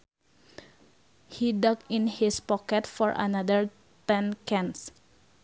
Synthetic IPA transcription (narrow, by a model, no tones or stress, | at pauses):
hidakĩnhispɔkɛtfɔɹʔa̰nadəɹ | t̪ɛ̃nkɛ̃ns